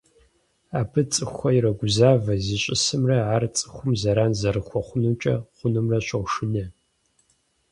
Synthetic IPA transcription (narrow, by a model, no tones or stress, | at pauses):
aːbʰɨt͡sʼɨxʷɐjiɾɐɡʷʊzaːvɐziɕʼɪsɨmrɐaːrt͡sʼɨ̥xʷʊmzɐɾaːnzɐɾɨxʷɔχʷʊnɨmt͡ʃʼɐ̰χʷʊnɨmrɐɕʷɐwʂɨnɐ